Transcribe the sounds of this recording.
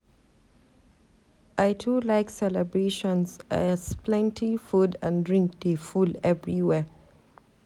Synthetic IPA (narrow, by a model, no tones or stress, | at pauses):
ʔaɪtʰulaɪksɛlɛbɹeʃɔ̃nzasplɛ̃ntʰifudə̃ndɹĩŋk̚defulɛvɹiwɛ